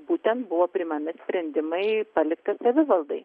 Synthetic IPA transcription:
buːt̪ʲɛnt̪bʊʋoːpʲɾʲɪmɐmʲɪsʲpʲɾʲɛnʲd̪ʲɪmɐɪpɐlʲɪkt̪ɐsɐʋʲɪʋɐlˠd̪ɐɪ

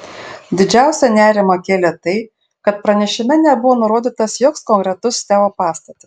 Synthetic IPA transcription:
d̪ʲɪd͡ʒʲæˑʊsʲɛnʲæːɾʲɪmɐkʲeːlʲɛt̪ɐɪ | kɐt̪pɾɐnʲɛʃʲɪmʲɛnʲɛbʊʋoːnʊɾoːd̪ʲɪt̪ɐsjoːkskɔŋkʲɾʲɛt̪ʊst̪ʲæːʋopɑːst̪ɐt̪ʲɪs

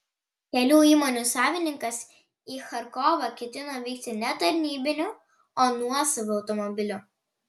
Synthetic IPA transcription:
kʲɛlʲuːiːmɔnʲusɑːʋʲɪnʲɪŋkɐs | iːxɐɾkɔːʋɐkʲɛt̪ʲɪnɐʋʲiːk̚t̪ʲɪnʲɛt̪ɐɾʲnʲiːbʲɪnʲʊ | oːnuɔsɐʋʲʊɐʊt̪ɔmɔbʲɪlʲʊ

